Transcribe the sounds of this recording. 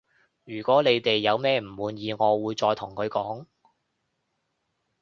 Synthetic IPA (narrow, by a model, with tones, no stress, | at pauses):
jyː˨˩kʷɔː˨˥le˨˧jt̪e˨jːɐ˨˧wmɛː˥m̩˨˩wuː˨˧njiː˨˧ŋɔː˨˧wuː˨˧jt͡sɔː˧jt̪ʰʊ˨˩ŋkʰɵ˨˧ɥkɔː˨˥ŋ